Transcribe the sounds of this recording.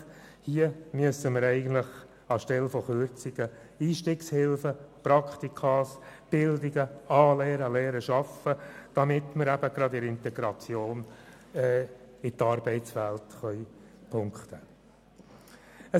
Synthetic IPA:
hiəmyəsəməɾɛɪɡən̩t̪ləχ | ɑʃtɛlfɔχøɾt͡sɪɡə | iːʃtɪːkshɪlfəpɾɑkχt̪ikʰɑːsb̥ɪld̪ɪɡəɑːlɛːɾəlɛːɾəʃɑfəd̥ɑmɪtməɾæb̥əɡ̥ɾɑdɪɾɪnt̪ɛɡ̥ɾɑt͡sjoːn | ɛɪt̪ɑːɾbɛɪtt͡sʋæltχœʏpʰʊŋkχt̪ə | ə

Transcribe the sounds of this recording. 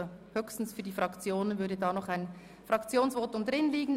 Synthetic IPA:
høːçstn̩sfyːɐdiːfʁɑkt͡sjoːnənvʏɐdədaːnɔχaɪn | fʁ̥ɑkt͡sjoːnsvɔːtʊmdʁɪnliːɡn̩

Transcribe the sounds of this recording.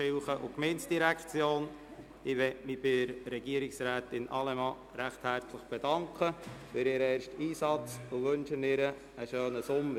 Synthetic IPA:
ɪlχəʔʊ̰kmɛnsd̥iɾækt͡sjoːn | ɪʋɛmɪb̥ɪɾɾɛɡiəɾɪksɾæːt̪ɪnʔɑ̰lɛmɑː | ɾæχt̪hæɾt͡sləχb̥ɛd̥ɑŋkχəfɪɾɪɾɛːɾʃtiːsɑt͡sʊʋɵnʃənɪɾəː | ʃøːnəsʊmːə

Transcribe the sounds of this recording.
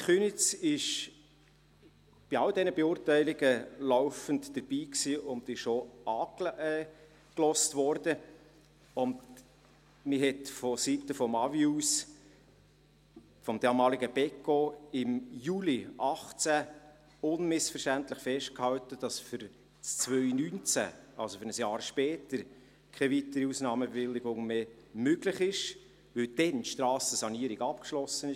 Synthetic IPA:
χynɪt͡sɪʃ | b̥iɑldɛnəbeuːrtæɪlɪɡəlɔʊfəntd̥əɾb̥iːksiːʔʊnd̪ɪʃoɑːkɛ | klɔstʋɔɾdə | ʊnd | mɪɦɛtfɔsitəfɔmɑvius | fɔmd̥̪ɑːmɑːliɡəb̥ɛkoɪmjuːliʔɑχt͡sæ | ʊnmɪsfəɾʃtæntlɪχfɛʃt̚khɑwtəd̥ɑsfʏɾ | t͡st͡sʋœʏnynt͡sæ̰ʔɑlsofʏɾnəsjɑːɾʃpɛːtəɾ | kʰɛvitəɾiusnɑːməbevɪlːɪɡʊŋmeː | møɡlɪχɪʃ | ʋɵld̥ɛntʃtɾɑːsəsɑniːɾiɡɑp̚kʃlɔsənɪ

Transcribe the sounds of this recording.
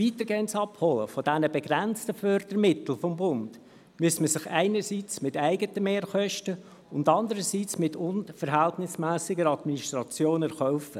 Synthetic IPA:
viːt̪əɾɡeːənsɑphɔlə̰fɔdænəbɛɡɾænt͡stəfœɾd̥əɾmɪt̪l̩ˠfɔmbʊnd̥ | myəsməsɪχæɪnəɾsiːt͡smɪtæɪɡətəmeːɾχœʃtə | ʊndɑndəɾəsiːt͡smɪtʰʊnfəɾɦæltnɪsmæːsɪɡəɾɑdminiʃtɾɑt͡sjoːnɛɾχɔʊfə

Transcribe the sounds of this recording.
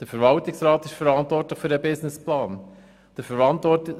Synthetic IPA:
d̥əfəɾvɑltɪksɾɑːt̪ɪʃfəɾɑntʋɔrtləχfyɾəbɪsnɪsplɑːn | d̪̥əɾfəɾvɑntʋɔt

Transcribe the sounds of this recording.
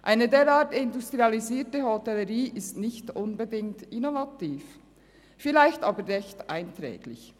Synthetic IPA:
ʔaɪnədeːɾaːtɪndustʁ̥ializiːtəhotɛləʁiːʔɪstnɪçtʔʊnbədɪŋtɪnovatiːf | filaɪçtaːbəːɛçtʔaɪntʁɛ̰ːɡlɪ̰ç

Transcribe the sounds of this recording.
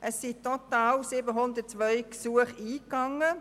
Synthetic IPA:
ʔəsːitɔtɑːwsɪbəɦʊnd̪ət̚t͡sʋœʏksuəχiːkɑŋːə

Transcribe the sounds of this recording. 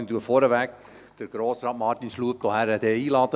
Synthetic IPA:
nduəfɔɾəvæk | d̥əɡ̥ɾoːsɾɑːtmɑrtinʃluəp̚t̪ohæɾɛd̥ɛiːlɑːt̪ə

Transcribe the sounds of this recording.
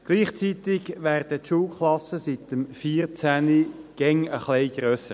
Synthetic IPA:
ɡ̥liːχt͡sit̪ɪɡʋæːʁd̥ətʃuːlkʰlɑsəsit̪əmfiːrt͡sæniɡ̥ɛŋəχlɛɪɡ̥ɾøːsə

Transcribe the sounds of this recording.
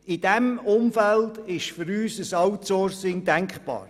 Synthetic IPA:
ɪd̥ɛmʊmfældɪʃfʏɾyːsəsɑwtsɔːɾsɪŋdæŋkχpɑ̰ːɾ

